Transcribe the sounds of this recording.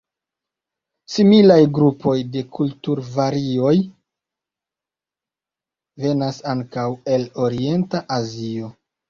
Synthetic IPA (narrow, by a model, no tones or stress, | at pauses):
similajɡɾupo̞jde̞kʰultuɾvaɾio̞j | ve̞nasaŋkawe̞lo̞ɾie̞ntaʔazio̞